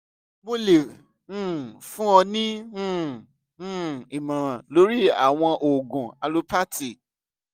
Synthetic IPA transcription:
mo˦lẽ˨˦˨ | fũ˦ɔ˧nĩ˦˨˦ | i˨mã˨ɾã˨lo˨˦ɾi˦a̰˦˨w̃ɔ̃˧ʔo˨ɡũ˨a˧lo˦pa˦ti˨

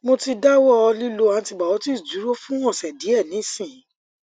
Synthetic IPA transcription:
mo˧ti˧da˦wɔ˦ɔ˧li˦lo˧a˧ti˧ɡ͡ba˨wɔ˨˦ti˦˨d͡ʒu˨˦ɾo˦fũ˦w̃ɔ̃˦˨sɛ˨di˨˦ɛ˦˨nĩ˨˦sĩ˦˨˦

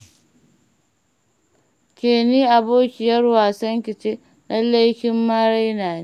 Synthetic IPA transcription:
kʲeː˨niː˦ʔa˨boː˦kʲɪ˨jɐ˦rwaː˨sɐ˦ŋkʲɪ˨t͡ʃe˦ | nɐ˦lːe˦jkʲɪ˦mːaː˦ɽa˦jnaː˨ne˦

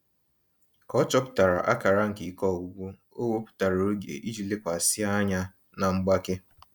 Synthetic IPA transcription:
kɔ˦t͡ʃɔ˦pʊ̥˦ta˨ɾa̰˨ʔa˦ka˨ɾa˦ŋ̩˨ki˨kɔ˦˨ɡu˦ɡʷu˦ | o˦wo˦pʊ̥˦ta˨ɾo˨o˦ɡḛ˨ʔi˦d͡ʒi˦˨le˦kʷa˨sɪ˦a˦ɲa˦ | na˨ŋ͡m̩˦ɡ͡ba˦ke˦

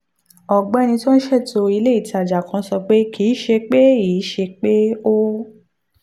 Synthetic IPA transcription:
ɔ˨ɡ͡bɛ˨˦˧nĩ˧to˦n̩˦ʃɛ˦˨to˧i˧le˦i˦˨ta˨d͡ʒa˨kã˧˦sɔ˧k͡pe˦kʰiː˨˦ʃe˧k͡pe˦iː˨˦ʃe˧k͡pe˦o˦

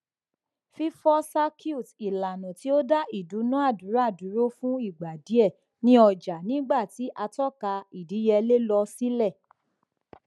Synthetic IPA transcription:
fi˦fɔ˦sa˦kʰi˦u˦˨ti˨la˨nɔ̃˨ti˨˦o˦da˦i˦˨du˨˦nũ˦a˦˨du˨˦ɾa˦˨du˨˦ɾo˦fũ˦i˦˨ɡ͡ba˨di˨˦ɛ˦˨ | nĩ˦ɔ˧d͡ʒa˨nĩ˦ɡ͡ba˦˨ti˨˦ʔa˧tɔ˦ka˧i˨di˨˦jɛ˧le˦lɔ˧si˦lɛ˦˨

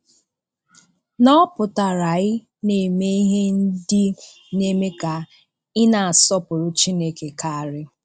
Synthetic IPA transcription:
nɔ˦pʊ˨ta˨ɾa˨ɪ˦ | ne˨me˦i˦ɦe˦n̩˦dɪ˦ | ne˦me˦ka˨ | ɪ˦na˨a˨sɔ˦pʊ˨ɾʊ˨t͡ʃi˦ne˦ke˨ka˨a˨ɾɪ˦

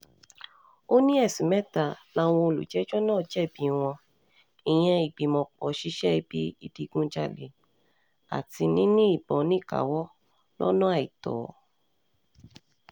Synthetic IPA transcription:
o˦nĩ˦ɛ˦˨sĩ˨mɛ̃˦ta˦˨la˧˦w̃ɔ̃˧o˧lṵ˨d͡ʒɛ˨˦d͡ʒɔ˦nãː˦˨d͡ʒɛ˦˨bĩ˨w̃ɔ̃˧ | ĩ˨j̃ɛ̃˧i˨ɡ͡bi˨mɔ̃˧k͡pɔ˨˦ʃi˦ʃɛ˦i˧˦bi˦i˦˧di˧ɡũ˦d͡ʒa˧˨le˨ | a̰˨ti˧nĩ˦nĩ˦i˦˨bɔ̃˨˦nĩ˦˨ka̰˨wɔ˦ | lɔ̰˦nɔ̃˦a˦˨i˨tɔ̰ː˨

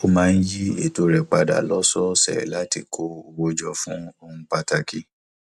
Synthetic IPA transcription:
o˦mãː˦˧n̩˦ji˦ḛ˦˨to˧ɾɛ˨k͡pa˧da̰˨lɔ˦sɔ˦sɛ̰˨la˦ti˧˨kʰo˦o˧wo˧d͡ʒɔ˧fũ˦o˧ũ˦k͡pa˧ta˧ki˧

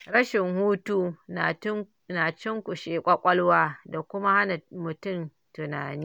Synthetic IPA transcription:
ɽɐ˦ʃɪ˨ŋhuː˦tu˦˨˦ | naː˨t͡ʃɪ˦ŋkʷu˨ʃeː˨kʷʼa˦kʷʼɐ˦lwaː˦da˨kʷʊ˦ma˦ha˦na˨mʊ˨tʊ˦˨m | tʊ˨naː˨niː˦

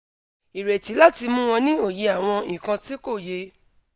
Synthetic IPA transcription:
i˨ɾe˨ti˨˦la˦ti˧mũ˦w̃ɔ̃˧nĩ˦o˦˨je˧a˨w̃ɔ̃˧ĩ˨kã˧ti˦ko˦˨je˧

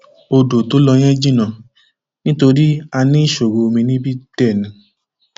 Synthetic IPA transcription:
o˧do˨to˨˦lɔ˧j̃ɛ̃˦d͡ʒĩ˦˨nã˨ | nĩ˦to˧ɾi˦a˧nĩ˦i˦˨ʃo˨ɾo˧mĩ˧nĩ˦bi˦tɛ˦˨nĩ˨˧

